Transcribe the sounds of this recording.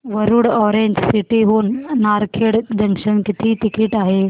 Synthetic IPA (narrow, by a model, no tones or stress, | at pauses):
ʋəɾuɽɔɾẽɲd͡ʑsiʈiɦonːaɾkʰeɽd̪ʱəŋʃənkit̪ʰit̪ikiʈaɦe